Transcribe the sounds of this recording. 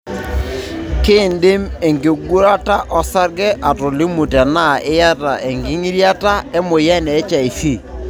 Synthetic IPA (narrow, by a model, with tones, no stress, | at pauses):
kɪ˦˨ndɪ˦mɛ˨ŋɡe˨ɡu˦ɾa˦ta˦ʔɔ˦sa˦ɾɡɛ˦ʔa˨to˨lɪ˦mu˨tɛ˨na˦˨ɪ˦ja˦ta˨ʔɛ˨ŋɡɪ˦ŋi˦ɾja˦ta˦ɛ˦mo˨jɛ˦nɛː˨˦t͡ʃa˨i˨si˦˨